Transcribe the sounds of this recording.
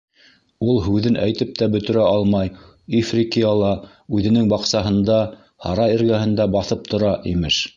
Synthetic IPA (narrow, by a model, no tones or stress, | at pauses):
ulˠɦʉðɘnʔæjt̪ɘp̚t̪æbɵ̆t̪ɵ̆ɾæɑlˠmɑj | ifrʲikijɑlˠɑ | ʉðɘ̆nɘŋbɑqsɑɦɤ̆nd̪ɑ | hɑ̰ɾɑjĭɾɡæhɘ̆nd̪æbɑθɤp̚t̪ʰŏɾɑʔimɘʃ